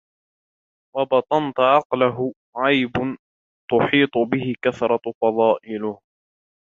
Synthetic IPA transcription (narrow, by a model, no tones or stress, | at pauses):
wɑbɑt̪ˤɑnt̪ʊʕɑqlaɦʊ | ʕɑjbʊ | t̪ʊħiːt̪ˤʊbɪhɪkaθɾˤɑfɑðˤɑːʔɪlʊh